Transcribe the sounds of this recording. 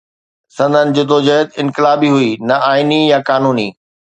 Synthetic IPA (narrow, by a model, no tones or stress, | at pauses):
sɐ̃nd̪ʱənɪ̆d͡ʑoːt̪oːd͡ʑəɦət̪ɪ̃nkɪlaːbiɦuinɐʔaːɪnijãkaːnuːniː